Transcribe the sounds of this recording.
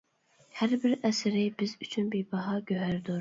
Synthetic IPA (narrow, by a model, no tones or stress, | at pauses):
hæɾbɪɾɛsɪɾɪbɪzyt͡ʃʰynbejbɑɦɑɡʲøɦæɾd̪ʊɾ